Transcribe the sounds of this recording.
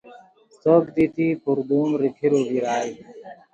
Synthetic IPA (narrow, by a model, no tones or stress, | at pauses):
soːkd̪it̪iːpuɾd̪uːmɾikʰiɾoːbiɾaːi